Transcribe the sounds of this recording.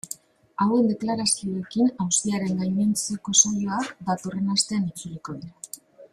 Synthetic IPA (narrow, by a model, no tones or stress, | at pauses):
awe̞nd̪e̞klaɾasio̞e̞kinawst̪iaɾe̞ŋɡaɲent͡seko̞so̞joakd̪at̪o̞re̞nast̪e̞anit͡suriko̞ðiɾa